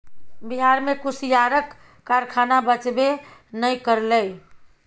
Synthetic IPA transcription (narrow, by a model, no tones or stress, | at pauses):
biɦaɾmẽkusjaɾəkː | aɾkʰanabət͡ʃbenəjkəɾləj